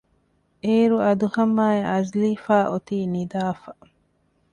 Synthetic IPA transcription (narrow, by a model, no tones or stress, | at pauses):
ʔeːɾuɐd̪uhɐmːaːeʔɐzliːfaːʔot̪iːnid̪aːfɐ